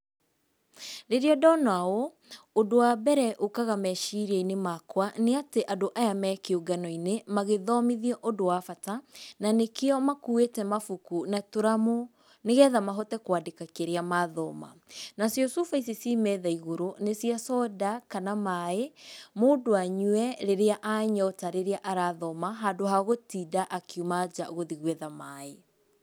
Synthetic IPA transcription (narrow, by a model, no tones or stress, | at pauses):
ɾeɾiɔdɔnao | odowabɛɾɛʔokaɣamɛʃiɾɛinemakwaneateʔadoʔajamɛkeuɡanɔinemaɣeðɔmiðiɔʔodowafatananekeɔmakuetɛmafukunatoɾamo | neɣɛːðamaɦɔtɛkwadekakeɾeamaðɔ̰ma̰nasjosufais̬isimɛːðaiɣoɾonesiasɔdakanamaemoːdoaɲwɛɾeɾeaʔaɲɔtaɾeɾeaʔaɾaðɔmaɦadoɦaɣotiːdaʔakiumad͡ʑaoɣoðiɣwɛðamae